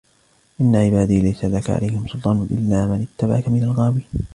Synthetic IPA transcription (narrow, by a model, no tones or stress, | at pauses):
ʔɪnːaʕɪbaːd̪iːlajsalaka̰ʕa̰lajhɪmsʊlt̪ˤɑːnʊʔɪ̰lːaːmanɪt̪ːaba̰ʕkamɪnalɣaːwiː